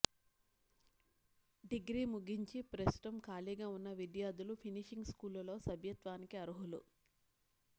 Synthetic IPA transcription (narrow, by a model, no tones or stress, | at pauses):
ɖiɡɾiːmuɡiɲt͡ʃipɾɐst̪u̥ʈɐmkaːliːɡaːunːɐʋid̪jaːd̪ulupʰiniʂiŋɡskuːlɐlo̞ːsɐbʱjɐt̪ʋaːnikiɐɾuɦulṵ